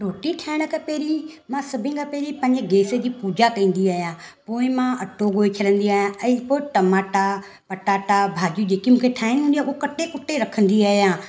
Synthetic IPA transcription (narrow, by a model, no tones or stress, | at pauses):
ɾoːʈiʈʰaːɪɽ̃əkaːpeːɾimãsɐbʱɪ̃kaːpeːɾipɐ̃ɲd͡ʑəɡeːsed͡ʑiːpuːd͡ʑakɐ̃ĩːn̆d̪iaːɦijãːpoːɪ̃mãʔɐʈʰoɡoːet͡ɕʰɐɽə̃nd̪iaːɦijãɛ̃ːpoːɪʈɐmaːʈa | pɐʈaːʈabʱaːd͡ʒjud͡ʑeːkimũːkʰeʈʰaːɪñɦũːnd̪iauɦokɐʈekʊʈːeɾɐkʰə̃nd̪iaːɦijãː